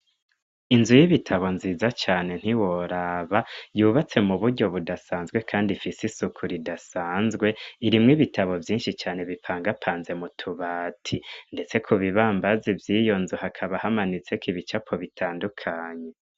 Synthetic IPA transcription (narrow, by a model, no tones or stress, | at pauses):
inzujiβitʰaβo̞nziːzat͡ʃaːne̞n̥iwo̞ɾaːβajuːβat͡se̞muβuɾɟo̞βudasaːnzɡwe̞kʰaːndifisisukʰuɾidasaːnzɡwe̞iɾimŋiβitʰaβo̞vjiːnʃit͡ʃaːne̞βipʰaːŋɡapʰaːnze̞mutʰuβaːtʰinde̞t͡se̞kʰuβiβaːmbazivjiːjo̞nzuhakʰaβahamanit͡se̞kiβit͡ʃapʰo̞βitʰaːndukʰaːɲe̞